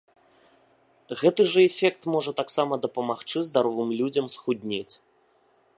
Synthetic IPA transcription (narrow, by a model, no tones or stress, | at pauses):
ɣɛt̪ɨʐɐɛfʲɛkt̪mɔʐɐt̪aksamɐd̪ɐpɐmaxt͡ʂɨzd̪aɾɔvɨmlʲud͡zʲɐmsxud̪ʲnʲet͡sʲ